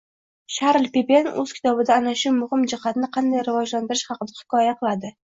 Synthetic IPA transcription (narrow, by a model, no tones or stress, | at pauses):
ʃaɾlpepenɵ̰z̥kʲʰɪ̥t̪ʰɒbɪd̪aːnaʃʊmʊhɪmd͡ʒɪhat̪nɪqʰɑnd̪ajɾɪvɒd͡ʒland̪ɪɾɪʃχɑqɨd̪ahɪ̥kʲʰɒjaqʰɨlˠad̪ɪ